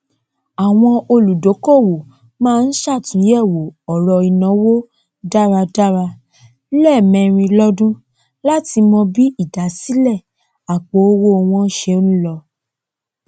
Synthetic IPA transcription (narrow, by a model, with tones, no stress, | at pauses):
a˨w̃ɔ̃˧o˧lu˨do˨˦ko˦˨wo˨ | mãː˦˧n̩˦ʃa˦˨tũ˨˦jɛ˦˨wo˨ɔ˨ɾɔ˧i˨nɔ̃˨˦wo˦ | da˦ɾa˧da˦ɾa˧˦ | lɛ˦˨mɛ̃˨˧˨ɾ̃ĩ˧lɔ˦dũ˦ | la˦ti˧mɔ̃˧bi˦i˦˨da˨˦si˦lɛ˦˨ | a˨k͡po˨˦o˦wo˧w̃ɔ̃˧n˦ʃe˧o˦ñ̩˦lɔ˧